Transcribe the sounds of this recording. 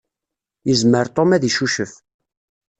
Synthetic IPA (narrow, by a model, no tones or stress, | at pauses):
jəzməɾt̪ˤomæðiʃuʃəf